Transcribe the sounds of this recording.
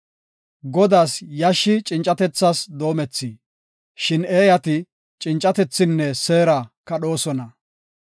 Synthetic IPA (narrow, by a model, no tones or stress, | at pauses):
ɡɔd̪aːsjɐʃːɪt͡ʃʼɪnt͡ʃʼːɐt̪ɛt͡sːasd̪o̞ːmɛt͡sːi | ʃɪneːjɐt̪ɪ | t͡ʃʼɪnt͡ʃʼɐt̪ɛt͡sːɪnːɛse̞ːɾakɐɗo̞ːsɔnɐ